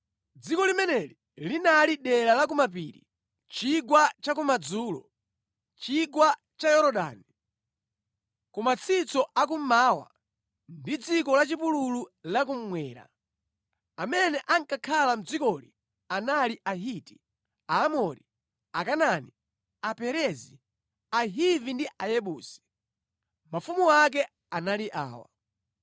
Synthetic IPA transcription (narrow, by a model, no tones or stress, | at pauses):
d͡zikɔlimɛnɛli | linaliɗɛɾalak̬umap̬iːɾḭ | t͡ʃiɡwat͡ʃak̬umad͡zuːlɔ̰ | t͡ʃiɡwa | t͡ʃajɔɾɔɗa̰ːni | kumat͡sʰit͡sɔʔak̬um̩maːwa̰ | ndid͡zikɔlat͡ʃipulululak̬um̩mwɛːɾa̰ | amɛnɛʔaŋkakʰalam̩d͡zikɔli | analiʔaɦiti̥ | aːmɔɾi | akanani | apɛɾɛzi | aɦivindiʔajɛɓuːsi̥ | mafumuwak̬ɛ | analiʔa̰ːwa̰